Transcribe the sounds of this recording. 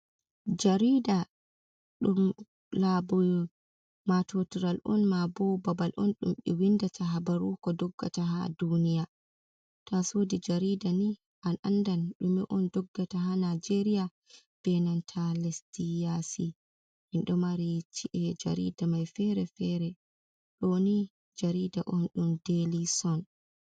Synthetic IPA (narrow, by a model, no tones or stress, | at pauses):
d͡ʒaɾida | ɗum | labɔ | matʰotiɾalʔɔ̰nmabɔbabalʔɔ̰nɗṵmɓɛwindatʰaɦabaɾukɔdɔɡːa̰taɦadunija | tʰasoːdid͡ʒaɾidani | ʔanʔandanɗumɛ̰ʔɔndɔɡːataɦanad͡ʒeɾija | b̥ɛnantʰalestijasi | hinɗɔmaɾit͡ʃiʔɛd͡ʒa̰ɾḭdamajfɛɾɛfɛɾɛ | ɗoni | d͡ʒaɾidaʔɔnɗumdelisɔn